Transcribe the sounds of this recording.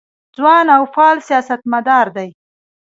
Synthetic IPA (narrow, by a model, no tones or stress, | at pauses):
d͡zwɑnawfɑlsijɑsat̪mad̪ɑɾd̪aj